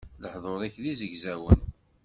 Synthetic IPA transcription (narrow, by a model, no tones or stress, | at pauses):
ləħðˤoɾˤiçlizəʝzæwə̰n